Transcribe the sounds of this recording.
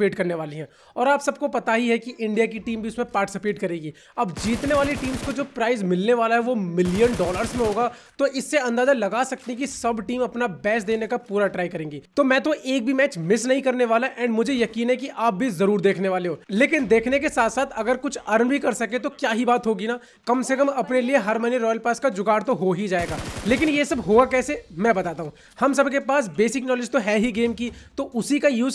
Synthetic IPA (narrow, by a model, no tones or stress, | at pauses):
eːʈkɐɾneʋaːliɦɛ̃ː | ɔːɾaːpsɐb̚kopɐt̪aɦiɦɛkiʔɪ̃ɳɖijakiʈiːmbʱiʊsmẽpaːɾʈɪsɪpeːʈkɐɾeːɡiː | ɐbd͡ʒiːt̪neʋaːliʈiːmskod͡ʒoːpɾaːɪzmɪlneʋaːlaɦɛʋomɪlijənɖɔːləɾzmẽɦoːɡaːt̪oʔɪsːeɐ̃nd̪aːzalɐɡaːsɐk̚t̪ik̬isɐbʈiːmɐpnabɛːsd̪eːnekapuːɾaʈɾaːikɐɾẽːŋɡiːt̪omɛ̃ːt̪oʔeːk̚bʱimɛːt͡ʃmɪsnɐɦĩkɐɾneʋaːlaʔɛ̃ːɳɖmʊd͡ʒʱejɐkiːnɦɛkiʔaːp̚bʱizɐɾuːɾd̪eːkʰneʋaːleɦoːleːkɪnd̪eːkʰnekesaːt̪ʰsaːt̪ʰɐɡəɾkʊt͡ʃʰɐɾənbʱikɐɾsɐkẽt̪okjaːɦibaːt̪ɦoːɡinaː | kɐmsekɐmɐpnelieɦɐɾmɐneɾɔːjəlpɛːskad͡ʒʊkaːɾt̪oɦoɦid͡ʒaːeːɡaːleːk̬ɪnjesɐbɦoːakɛːsemɛ̃ːbɐt̪aːt̪aːɦũ | hɐmsɐbkepaːsbeːsɪknɔːlɪd͡ʒt̪oɦɛːɦiɡeːmkit̪oʔʊsikajuːz